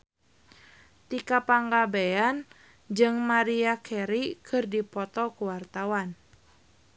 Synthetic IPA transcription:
t̪ikapaŋɡabɛan | d͡ʒɨŋmaɾiakʰɛɾikʰɨrdipɔt̪ɔkuwart̪awan

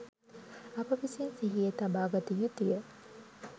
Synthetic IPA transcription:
ɐpɐʋisinsiɦijet̪ɐbaːɡɐt̪ijut̪ijə

